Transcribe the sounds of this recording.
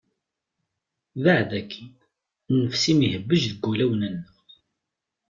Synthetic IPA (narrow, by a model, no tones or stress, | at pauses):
ðaʕðækʰːi | nːəfsimihəbːəʒðəɡːulæwnænːəʁ